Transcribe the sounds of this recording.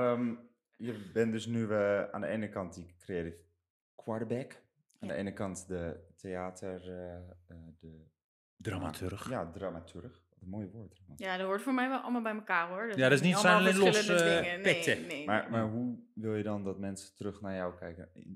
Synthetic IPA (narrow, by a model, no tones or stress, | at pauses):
əm | jəbɛndøsnyʋa̰ndəeːnəkɑntikːreeːrə | kʰwɔɹbɛk | andə̰ḛːnəkɑntdətʰeaːtʰər | də | dramatyxjadramatʰyrəxɔtəmoːjəʋot̚ramatjadʋoɹtfoːɹmɛjʋɛlˠɔ̰lˠmalˠbɛjməkaːɹoɹdjadɪsnitsɛnəlenlospɪtəmarmaɹɦuʋɪlˠjədɔndɔtmɛnsətərøxnajɔwkʰɛjkə̰